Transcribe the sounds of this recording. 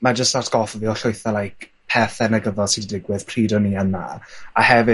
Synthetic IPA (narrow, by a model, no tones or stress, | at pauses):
mad͡ʒəstatʰɡ̥ɔlfɔviːɔɬʊjθɛlajkpʰɛθɛnəɡəðɔlˠsiddɪɡwɪð̥pʰriːdɔniːəna̰ahɛvɨ